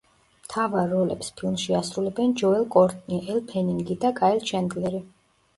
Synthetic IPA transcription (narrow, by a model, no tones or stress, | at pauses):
mt̪ʰavaɾːɔlɛ̰pspʰilˠmʃiasɾulɛbɛnd͡ʒɔɛlˠkʼɔɾt̪ʼniʔɛlˠpʰɛniŋɡid̪akʼaɛlˠt͡ʃʰɛnd̪lɛɾi